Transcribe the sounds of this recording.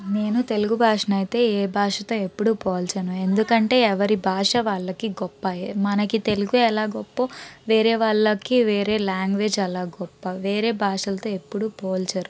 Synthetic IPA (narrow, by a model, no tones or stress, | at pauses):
ne̞ːnut̪e̞luɡubʱaːʂɐnɐjit̪e̞ːeːbʱaːʂɐt̪o̞ːe̞pːuɽupoːlt͡ʃɐnue̞nd̪ukɐɳʈe̞ːɛʋɐɾibʱaːʂɐʋaːɭːɐkiɡɔpːaːjemɐnɐkit̪e̞luɡuɛlaːɡɔpːɐʋeːɾeːʋaːɭːɐkiʋeːɾe̞ːlaːŋɡʋe̞ːd͡ʒɛlaːɡɔpːɐʋeːɾe̞ːbʱaːʂɐlɐt̪o̞ːe̞pːuɽupoːlt͡ʃɐɾu